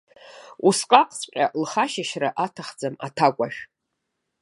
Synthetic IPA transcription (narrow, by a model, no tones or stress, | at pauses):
usqʼaqʼt͡sʼqʲʼalχaʃaʃraʔatʰaχd͡zama̰tʰakʷʼaʃᶣ